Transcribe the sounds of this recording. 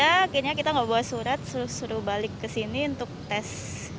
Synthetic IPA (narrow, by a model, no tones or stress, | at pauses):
aːkirɲakit̪aŋɡabuat̪suɾat̪̚suɾusuɾubalɪkːəsiniunt̪ʊk̚t̪ɛs